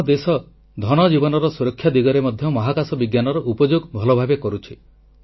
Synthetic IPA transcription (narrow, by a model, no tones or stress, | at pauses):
d̪esɔ | d̪ʱɔñɔd͡ʒibɔnɔɾɔsuɾɔkʰːjad̪iɡɔɾemɔd̪ʱjɔmɔɦakasɔbiɡjanɔɾɔʔupɔd͡ʒoɡbʱɔlɔbʱabekɔɾut͡ʃʰi